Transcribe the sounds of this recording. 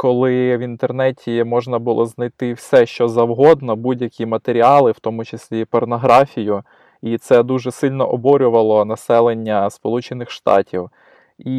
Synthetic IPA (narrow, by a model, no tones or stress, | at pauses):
kɔlˠɪʋʲint̪ernɛtʲʰimɔʒnɐbʊlˠʔɔznɐjt̪ɪwsɛʃt͡ʃɔzɐwɦɔd̪nɔbudʲjɐkʲimɐt̪eɾʲiɑlˠɪwt̪ɔmʊt͡ʃesʲlʲipɔrnɔɦɾɑfʲijʊ | it̪sɛd̪uʒɛsɪlʲnɔʔɔbɔɾʲʊʋɐlˠɔnɐsɛlˠenʲːɐspɔlˠut͡ʃenɪxʃt̪ɑ̰tʲiw | i